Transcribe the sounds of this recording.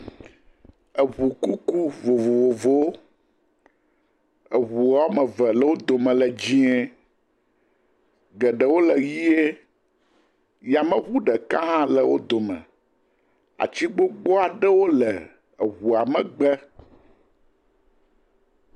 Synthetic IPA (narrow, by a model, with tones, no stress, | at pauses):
ə˨βu˨ku˦ku˦vo˨vo˨vo˨vo˦ | ə˨ɣu˨a˨˦wo˦mɛ̃˨vɛ˨lɛ˨wo˦d̪o˨mɛ̃˨lɛ˨d͡ʑi˦ɛ˦ | ɡɛ˨ɖɛ˨wo˦lɛ˨ji˦e˦ | ja˨mə̃˦ɸu˦ɖɛ˨kã˦ɦã˦lɛ˨wo̰˦d̪o˨mɛ̰̃˨ | a̰˨t͡ɕi˦ɡ͡bo˦ɡ͡bɔ˦a˨ɖɛ˦wo˦lɛ˨ | ɣu˨a˨mɛ̃˨ɡ͡bɛ˦